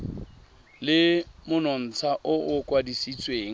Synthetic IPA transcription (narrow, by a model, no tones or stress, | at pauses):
lɪmʊnɔn̩t͡sʰaʔʊʊkʼwadisit͡sʼweːŋ̩